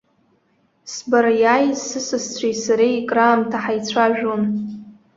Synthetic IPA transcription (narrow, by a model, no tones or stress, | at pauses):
sbarjajsɨsɨst͡sʷʰejsaɾejkʼraːmtʰaħajt͡sʷʰaʒᶣon